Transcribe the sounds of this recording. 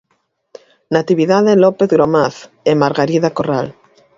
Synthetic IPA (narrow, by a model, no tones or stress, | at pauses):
nat̪iβiðaðelopeθɣɾomaθ | emaɾɣaɾiðakoral